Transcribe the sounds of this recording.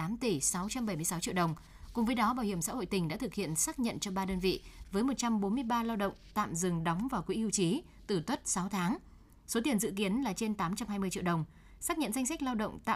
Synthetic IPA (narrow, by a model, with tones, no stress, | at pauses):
aː˨˦mt̪i˧˩sa˨˦wt͡ɕa˧mɓə˧˩jmɨ˧jsa˨˦wt͡ɕḭ˧˨ɗə˨˩wŋ͡m | kʊ˨˩ŋ͡mvəː˨˦jɗɔ˨˦ɓaː˧˩whi˧˩əmsa̰ː˧˥ho̰˧˨jt̪ï˨˩ŋ̟ɗa̰ː˧˥t̪ʰɨ˨˩k̚hḭ˧˨ənsaː˦˥k̚ɲə̰˧˨nt͡ɕɔ˧ɓaː˧ɗəː˧nvḭ˧˨vəː˨˦jmo˨˩t̚t͡ɕa˧mɓo˨˦nmɨ˧əjɓaː˧laː˧wɗə̰˧˨wŋ͡mt̪a̰ː˧˨mzɨ˨˩ŋɗɔ˨˦wŋ͡mvaː˨˩wkwḭ˧˥i˧wt͡ɕi˨˦ | t̪ɨ˧˩t̪wə˦˥t̚sa˨˦wt̪ʰaː˨˦ŋ | so˨˦t̪i˨˩ənzɨ̰˧˨ki˨˦ənlaː˨˩t͡ɕe˧nt̪aː˨˦mt͡ɕa˧mɦaː˧jmɨ˧ət͡ɕḭ˧˨əɗə˨˩wŋ͡m | saː˦˥k̚ɲə̰˧˨nza˧ŋsa˦˥k̚laː˧wɗə̰˧˨wŋ͡mt̪a̰ː˧˨